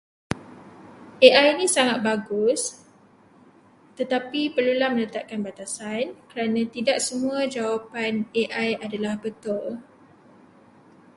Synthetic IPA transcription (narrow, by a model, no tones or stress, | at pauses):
ʔeʔajnĩsaŋat̪̚baɡʊs | t̪ət̪apipərlulamə̃nət̪ap̚kanbat̪asankəɾanãt̪idaʔ̚səmũãd͡ʒawapaneʔajadalahbət̪ʊl